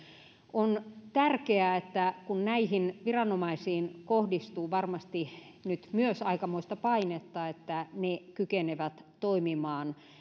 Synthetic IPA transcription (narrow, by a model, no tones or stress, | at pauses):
ʔont̪ærkeæet̪ːækunnæihinʋirɑnomɑisiːnkohdist̪uːʋɑrmɑst̪i | nyt̪myøsɑikɑmoist̪ɑpɑinet̪ːɑet̪ːænekykeneʋæt̪t̪oimimɑːn